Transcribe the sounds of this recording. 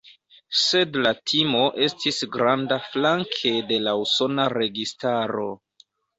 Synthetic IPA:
se̞dlatʰimo̞ʔe̞stisɡɾandaflaŋkʰe̞de̞lauso̞naɾe̞ɡistaɾo̞

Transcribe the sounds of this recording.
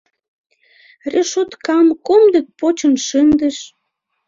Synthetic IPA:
reʃot̪kɑmkomd̪ĕk̚pot͡ɕənʃənd̪ə̆ʃ

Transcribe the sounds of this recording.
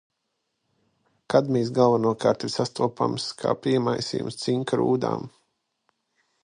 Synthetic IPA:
kad̪miːsɡalˠvanuɔkaːɾt̪iɾsast̪uɔpa̰mskʰa̰ːpiɛmajsḭjṵmst̪siŋkaɾṵːd̪a̰ːm

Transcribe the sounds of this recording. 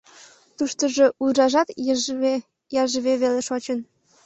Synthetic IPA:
t̪uʃt̪əʒe̽ʔurɑʒɑt̪ | jɑʒəβeβeleʃot͡ɕən

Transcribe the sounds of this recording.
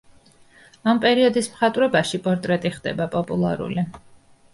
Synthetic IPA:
ampʼɛɾiɔd̪ismχat̪ʼvɾɛbaʃipʼɔɾt̪ʼɾɛt̪ʼiχd̪ɛ̰bapʼɔpʼulˠa̰ɾṵli

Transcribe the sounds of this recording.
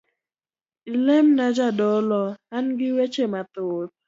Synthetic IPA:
ilemnad͡ʒadɔlɔanɡɪwet͡ʃemat̪ʊt̚

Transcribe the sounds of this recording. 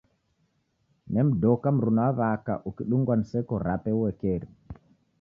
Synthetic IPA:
nɛmdɔkamɾunavaka̰ʔukiɗuŋɡansɛkɔɾapɛwɛkɛɾ

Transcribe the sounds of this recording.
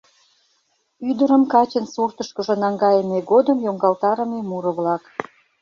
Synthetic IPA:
yd̪əɾəmkɑt͡ɕənsurt̪əʃkəʒə̆nɑŋɡɑjəmeɡod̪əmjoŋɡɑlt̪ɑɾə̆memuɾə̆βlɑk

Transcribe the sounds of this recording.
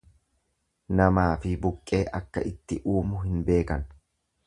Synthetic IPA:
nɐmaːfɪbʊkʼːe̞ːʔɐkːɐ̰ʔɪt̪ːɪʔuːmʊɦɪnbe̞ːkɐn

